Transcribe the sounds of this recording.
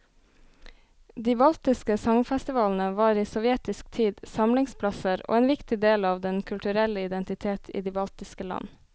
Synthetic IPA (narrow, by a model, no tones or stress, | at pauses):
d̪iːbɑlt̪ɪskəsɑŋfɛst̪ɪʋɑːln̩əʋɑːɾiːsɔʋjɛt̪ɪsk̚t̪ʰiːd̪sɑmlɪŋspʰlɑsəɾo̰ːeːnʋɪkt̪ɪd̪eːlɑːʋd̪ɛnkʰʉlt̪ʉɾɛləɪd̪ɛnt̪ɪt̪ʰeːt̪ʰḭːd̪iːbɑlt̪ɪskəlɑ̰n